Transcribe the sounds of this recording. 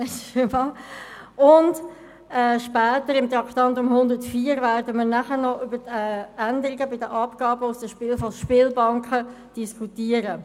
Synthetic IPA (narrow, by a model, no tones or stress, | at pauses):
ɛsvɑ | ʊnd | ɛːʃpɛːtəɾɪmt̪ɾɑkt̪ɑntʊmhʊndətfiːəɾvæɾdəməːɾnæχənɔʔʏbətɛːændəɾɪɡəbɪdəʔɑpɡ̥ɑːbəʊsd̥əʃpɪːlfɔʃpɪːlbɑŋkχə | d̥iskʰutiːəɾə